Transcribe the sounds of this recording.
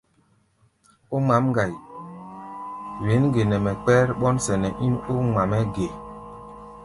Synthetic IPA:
o˦ma˨˦m˦ɡa˨j | we˨˦nɡe˨nɛ˨mɛ˨k͡pɛː˦ɾɓɔ˦nsɛ˨nɛ˨ʔi˦no˦ŋ͡ma˨mɛ˦ɡe˨

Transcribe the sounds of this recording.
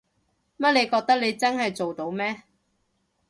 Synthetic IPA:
mɐ˥t̚le˨˧jkɔː˧k̚t̪ɐ˥k̚le˨˧jt͡sɐ˥nhɐ˨jt͡so˨wt̪o˨˧wmɛː˥

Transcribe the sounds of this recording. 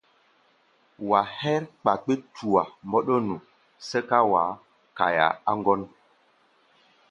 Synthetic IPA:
wa˨hɛ˦ɾk͡pa˨k͡pe˦tʰu˨a˨mbɔ˦ɗɔ˦nu˨ | sɛ˦ka˦wa˨˦ | ka˨ja̰˨a˦ŋ˦ɡɔ˦n

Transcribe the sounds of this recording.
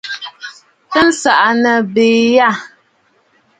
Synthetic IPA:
tɨ˦n̩˦sa˨ʔa˨nə˨beː˨ja˦˨

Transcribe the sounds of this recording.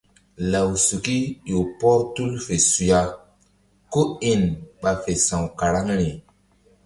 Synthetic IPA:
la˨wsu˨ki˦jo˨pɔ˦tu˦lfe˨su˨ja˦ | ko˦i˨nɓa˨fe˨sã˨wka˨ɾa˦ŋɾi˨

